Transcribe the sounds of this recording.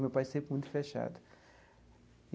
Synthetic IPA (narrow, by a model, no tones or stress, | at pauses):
mepasẽmpmũj̃t̪u̥feʃa̰d̪ɐ